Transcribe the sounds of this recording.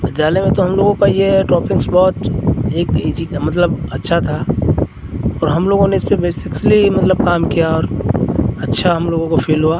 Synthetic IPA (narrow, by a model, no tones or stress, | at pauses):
bɪd̪jaːlɛjmẽt̪oɦɐmloːɡõkajeʈɔːpɪ̃ŋksbɔːt̪eːkid͡ʒimɐt̪̬ləbɐtːʃʰat̪ʰa | ɔːɾɦɐmloːɡõneɪspebeːsɪkslimɐt̪ləb̚kaːmkijaɔːɾ | ɐtːʃʰaɦɐmloːɡõkopʰeːlɦuaː